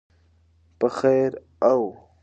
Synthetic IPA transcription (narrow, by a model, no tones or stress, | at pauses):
pəxejɾ | aw